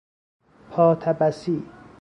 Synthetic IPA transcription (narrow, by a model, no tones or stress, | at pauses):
pʰɒːt̪ʰæbæsiː